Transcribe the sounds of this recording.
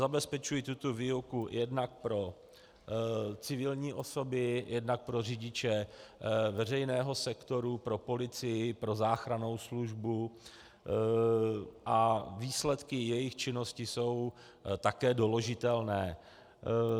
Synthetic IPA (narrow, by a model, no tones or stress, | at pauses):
zabɛspɛt͡ʃujɪt̪ut̪ovɪokujʔɛdnak̚pɾo̞ | t͡sɪvɪlɲiːʔo̞so̞bɪjʔɛdnak̚pɾo̞r̝ɪɟɪt͡ʃɛ | vɛr̝ɛjnɛːɦo̞sɛkt̪o̞ɾupɾo̞po̞lɪt͡sɪjɪpɾo̞zaːxɾano̞wsluʒbu | ʔaviːslɛt̪kɪjɛjɪxt͡ʃɪno̞scɪso̞w | t̪akɛːdo̞loʒɪt̪ɛlnɛː